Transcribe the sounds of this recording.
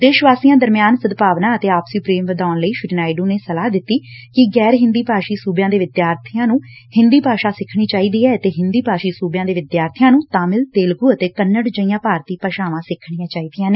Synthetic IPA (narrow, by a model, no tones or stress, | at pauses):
d̪eːʃʋaːsijãːd̪əɾmjaːnsəd̪paːʋnãːət̪eːaːpsupɾeːmʋəd̪aːnləiːʃʊʈnaːɪɖũːneːsəlaːd̪ɪt̪ːiːkɪɡɛːɾɦɪ̃nd̪iːpaːʃiːsuːbjãːd̪eːʋɪd̪jaːɾt̪ʰɪjãːnũː | hɪ̃nd̪iːpaːʃaːsɪkʰɳ̃iːt͡ʃaːiːd̪iːɛːt̪eːɦɪnd̪iːpaːʃiːsuːbjãːd̪eːʋɪd̪jaːɾt̪ʰɪjãːnũːt̪aːmɪlt̪eːlɡʊːət̪eːkənːəɽd͡ʒəɪjãːpaːɾt̪iːpəʃaːʋãːsɪkʰːɳijãːt͡ʃaːiːd̪ɪjãːneː